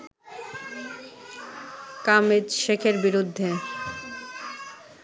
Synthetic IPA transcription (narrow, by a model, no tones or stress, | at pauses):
kamed͡ʑʃekʰeɾbiɾud̪ʱːe